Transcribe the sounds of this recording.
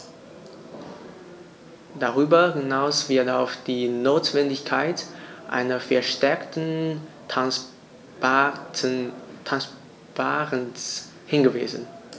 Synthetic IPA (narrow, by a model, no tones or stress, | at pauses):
d̥aʁ̞yːbɐhɪnaʊsv̥ɪɐtaʊfd̥iːnoːtv̥ɛndɪçkʰaɪtʔa̰ɪnɐfɛɐʃtɛɐktn̩ | tʰans | b̥aːʁəns | hɪnɡəvḭːzən̩